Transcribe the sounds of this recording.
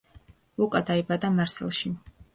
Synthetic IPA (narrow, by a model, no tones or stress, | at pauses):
lˠukʼad̪aibad̪amaɾsɛ̰lˠʃi